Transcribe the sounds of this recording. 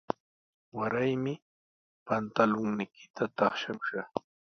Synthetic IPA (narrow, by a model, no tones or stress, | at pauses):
waɾajmɪ | pant̪alʊŋnɪkʰɪ̥t̪at̪ɑχʃamʊʃa